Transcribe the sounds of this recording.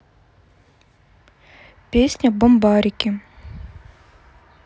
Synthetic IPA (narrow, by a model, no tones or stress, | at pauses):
pʲesʲnʲɐbombɑɾʲɪkʲɪ